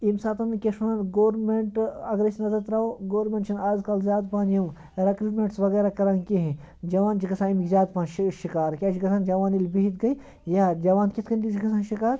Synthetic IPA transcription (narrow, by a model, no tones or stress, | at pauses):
imsaːt̪ɐnkʲeʃunɐnɡoːɾmeɳʈɐɡɾesʲnɐzɐt̪ɾaoɡoːɾmẽɳʈt͡ʃʰɐnaːzkɐlzʲjaːd̪paːnju | ɾɐkɾuʈmʲeɳʈsʋɐɡeːɾakɐɾaːnkiɦẽ | d͡ʒɐʋaːnt͡ʃikɐsãːimikzʲjaːd̪̚pãːnʃʃikaːɾkʲaːʃikɐsãːnd͡ʒɐʋaːnilʲbiɦit̪̚ɡɐi | jaːd͡ʒɐʋaːnkʲit̪ʰkɐnʲt̪it͡ʃikɐsʰãːnʃikaːɾ